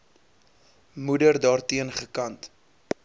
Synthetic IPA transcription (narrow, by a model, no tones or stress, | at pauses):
mudərdɑːrtiənχəkɐnt